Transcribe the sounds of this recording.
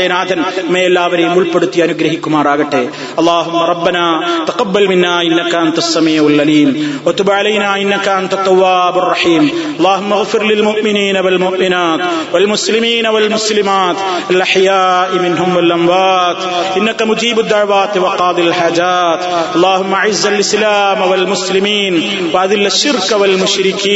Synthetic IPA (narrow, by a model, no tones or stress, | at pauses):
jɐnaːt̪ʰɐnmɐ̃ɐlːaːbɐɾiːmʊlpɐɽut̪ːijaɐnuɡɾɐɦikːʊmaːɾaːɡɐʈeː | ɐlˠˤːaːɦʊmːɐɾˤɑbːɐnaːt̪ɐqɐbːɐlmɪnːaːɪnːɐkɐɐnt̪ɐsːɐmiːɐlɐliːmwɐt̪ʊbʕalɐjnaːɪnːɐkɐɐnt̪ɐt̪ːɐwːaːbɐrˤːɑħiːmɐlːɑːɦʊmːɐɣfɪɾlɪlmʊʔmɪniːnɐwɐlmʊʔmɪnaːt̪walmʊslɪmiːnawalmʊslɪmaːt̪ | ʔalʔaħjaːʔmɪnɦʊmwalʔambaːt̪ʔɪnːakamʊd͡ʒiːbad̪ːaʕwaːt̪wɑqɑːd̪ˤɨalħaːd͡ʒaːt̪ʔɑlˤːɑːhʊmːaʔaʕɪzːalʔɪslaːmwalmʊslɪmiːn | waʔad̪ɪlːaʃːɪɾkawalmʊʃɾɪkiː